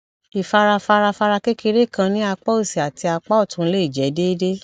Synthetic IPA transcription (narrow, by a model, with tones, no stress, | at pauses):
i˨fa˧ɾa˧fa˧ɾa˧fa˧ɾa˧ke˦ki˧ɾe˦˨kã˧nĩ˦a˧k͡pɔ˦o˦˨si˨a˨ti˧a˧k͡pɔ˦ɔ˦˨tũ˧˦le˦i˦˨d͡ʒɛ˨˦de˦de˦